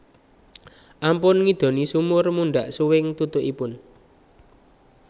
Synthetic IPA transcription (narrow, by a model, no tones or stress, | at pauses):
ʔampʊnŋid̪̥o̤nisumʊrmuɳɖaʔsuwɪŋt̪ut̪ʊʔipʊn